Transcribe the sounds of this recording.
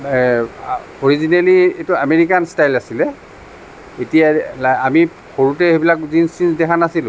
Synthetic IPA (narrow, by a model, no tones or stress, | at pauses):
oɹizinalietuameɹikanstajlasilɛ | etijalaami | xoɹutɛebilakzinsinsdɛkʰanasil